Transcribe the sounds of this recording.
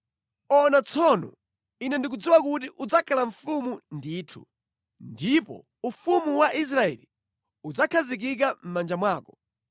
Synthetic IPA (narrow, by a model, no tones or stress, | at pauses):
ɔnat͡sʰɔnɔ̰ | inɛndik̬ud͡ziwak̬ut̬iʔud͡zakʰalaɱ̩fumundiːtʰṵ | ndipɔ̰ | ufumuwaʔis̬ɾaɛ̰li | ud͡zakʰazik̬ik̬am̩mand͡ʒamwaːkɔ̥